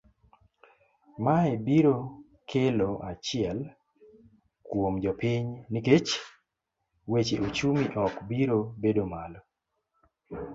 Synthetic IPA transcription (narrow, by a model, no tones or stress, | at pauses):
maebiɾo | kʰeloʔat͡ʃɪɛl | kwomd͡ʒɔpiɲniket͡ʃ | wet͡ʃeut͡ʃumiʔɔkbiɾobedomalɔ